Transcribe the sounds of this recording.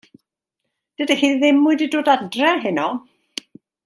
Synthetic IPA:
d̥ədahiːðɪmːʊɨdidoːdadrɛɦɪnɔ

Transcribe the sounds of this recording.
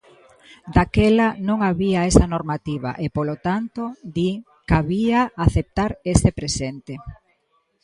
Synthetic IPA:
d̪akɛlanõŋaβiaesɐnoɾmat̪iβa̰ʔepolot̪ant̪od̪i | kaβiaaθep̚t̪aɾest̪epɾesent̪e

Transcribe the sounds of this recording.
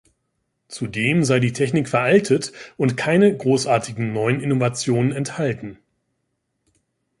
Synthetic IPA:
t͡sudeːmzaɪdiːtʰɛçnɪkfɛɐʔaltʰətʊntkʰaɪnəɡʁoːsʔaːɐtʰɪɡŋ̩nɔʏənɪnovat͡sjoːnənɛnthaltn̩

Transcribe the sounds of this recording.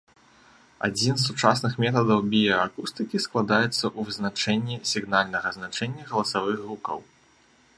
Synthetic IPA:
a̰d͡zʲins̬ːut͡ʂasnɨxmʲɛt̪ɐd̪ɐwbʲijɔakust̪ɨkʲisklˠad̪ajɛt̪sːɐʔuvɨznat͡ʂɛnʲːisʲiɣnalʲnɐɣɐznat͡ʂɛnʲːɐɣɐlˠɐsavɨɣɣukɐ̰w

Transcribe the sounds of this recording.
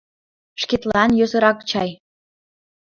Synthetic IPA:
ʃket̪lɑnjøsə̆ɾɑkt͡ɕɑj

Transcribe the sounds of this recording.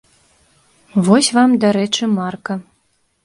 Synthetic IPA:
vɔsʲvamd̪aɾɛt͡ʂɨmarkɐ

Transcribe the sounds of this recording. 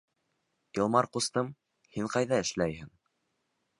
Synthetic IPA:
jɤ̆lˠmɑɾqust̪ɤm | hiɴqɑjðɑɘ̆ʃlæjhɘŋ

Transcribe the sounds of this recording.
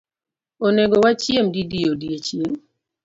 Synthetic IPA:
oneɡowat͡ʃjemdidijodiet͡ʃem

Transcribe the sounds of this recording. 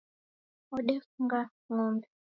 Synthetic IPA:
ɔɗɛfuŋɡa | ŋɔmbɛ

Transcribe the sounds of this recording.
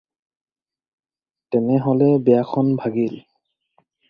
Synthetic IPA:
tɛnɛɦɔlɛbɛjakʰɔnbʱaɡil

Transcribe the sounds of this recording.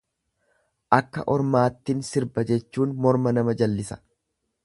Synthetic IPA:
ʔɐkːɐ̰ʔɔɾmaːt̪ːɪnsɪɾbɐd͡ʒɛt͡ʃːuːnmɔɾmɐnɐmɐd͡ʒɐlːɪsɐ̥

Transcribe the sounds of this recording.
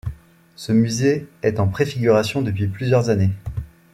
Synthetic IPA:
səmyzeɛt̪ɑ̃pχefiɡʲyʁasjɔ̃d̪əpɥiplyzjœʁzane

